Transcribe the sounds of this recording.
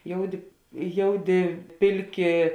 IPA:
ˈjoːʊˌdʲɪ ˈjoːʊˌdʲɪ ˈpʲɪlʲˌkʲɪ

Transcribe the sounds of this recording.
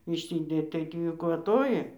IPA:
ɪʃʲˈsʲɪdʲeːt tɐɪ ˈtʲiː kʋɐˈtoːjɪ

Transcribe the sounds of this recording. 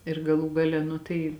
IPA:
ɪr ɡɐˈlˠuː ɡɐˈlʲɛ ˈnʊ tɐɪ

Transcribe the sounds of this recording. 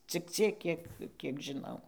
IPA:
t͡sʲɪk ˈt͡sʲiɛk ˈkʲiɛk ˈkʲiɛk ʒʲɪˈnɐʊ

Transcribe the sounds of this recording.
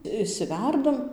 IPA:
ɪʃʲˈsʲɪʋʲærdɐm

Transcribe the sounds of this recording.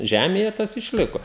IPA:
ˈʒʲæːmʲeːjɛ ˈtɐs ɪʃʲˈlʲɪkoː

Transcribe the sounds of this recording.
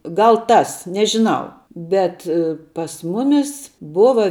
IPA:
ˈɡɐlˠ ˈtɐs nʲɛʒʲɪˈnɐʊ ˈbʲɛt pɐs ˈmʊmʲɪs ˈbʊʋɐ

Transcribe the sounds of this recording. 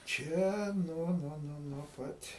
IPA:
ˈt͡ʃʲɛ ˈnuɔ ˈnuɔ ˈnuɔ nuɔ ˈpɐtʲ

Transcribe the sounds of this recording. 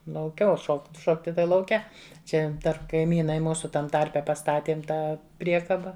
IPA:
lˠɐʊˈkʲɛ oː ˈʃoːkt ˈʃoːktʲɪ tɐɪ lˠɐʊˈkʲɛ ˈt͡ʃʲɛ ˈdɐr kɐɪˈmʲiːnɐɪ ˈmuːsʊ ˈtɐm ˈtɐrʲpʲɛ pɐstɐˈtʲiɛm ˈtɑː ˈpʲrʲiɛkɐbɐ

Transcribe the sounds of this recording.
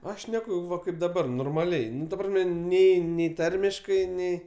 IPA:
ˈɐʃ ˈʃʲnʲæːkʊ ˈʋɐ ˈkɐɪp dɐˈbɐr noːrmɐˈlʲɛɪ ˈnʊ tɐ ˈprɑːsʲmʲɛ ˈnʲɛɪ nʲɛɪ ˈtɐrʲmʲɪʃkɐɪ ˈnʲɛɪ

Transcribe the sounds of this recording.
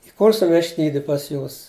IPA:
ɪˈkʊrsʊ ʋʲɛʃʲˈtʲiːdʲɪ pɐs ˈjuːs

